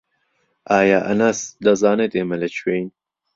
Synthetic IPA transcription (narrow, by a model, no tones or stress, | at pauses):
ʔaːjaːʔɐ̰naːsd̪ɐzɑːnet̪eːmɐlɐt͡ʃʰweːjn